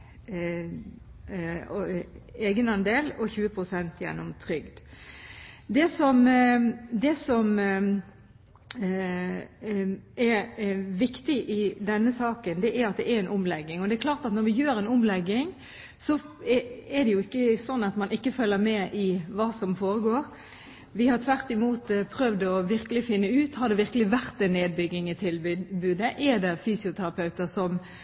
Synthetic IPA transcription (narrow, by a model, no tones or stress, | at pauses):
eːɡənɑnd̪eːlɔçʉːəpʰɾʊsɛnt̪jɛ̰nːɔmt̪ʰɾʏɡd̪ | d̪ɛsɔm | d̪ɛsɔm | ɛɾʋɪkt̪ɪʔɪd̪ɛnːəsɑːkənd̪ɛʔæɾɑt̪̚d̪ɛʔɛɾɛɪnʔʊmlɛɡːɪŋɔd̪ɛæɾkʰlɑːɾt̪ɑt̪nɔɾʋɪjøːɾɛnʊmlɛɡːɪŋ | sɔ | ɛɛd̪ɛjʊɪkːəsɔnːɑt̪mɑnʔɪkːəfœlːəɾmɛʔɪʋɑːsɔmfoːɾəɡoːɾ | ʋɪhɑɾt̪ʰʋæʁt̪ɪmuːt̪pʰɾœʋd̪ɔʋɪɾkəlɪfɪnːəʉːt̪hɑd̪ɛʋɪɾkəlɪʋæɾt̪ɛnːeːd̪̚bʏɡːɪŋɪt̪ʰɪlbʉːd̪əʔɛd̪ɛfyːsɪʊt̪ʰæɾɑpʰɑʉt̪əɾsɔm